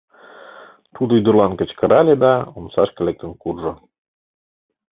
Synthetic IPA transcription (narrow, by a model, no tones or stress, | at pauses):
t̪ud̪oyd̪ə̆rlɑnkə̆t͡ɕkəɾɑlʲed̪ɑomsɑʃkə̆lek̚t̪ə̆nkurʒo